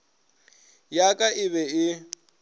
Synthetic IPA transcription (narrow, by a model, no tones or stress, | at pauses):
jakʼaʔɪβɛɪ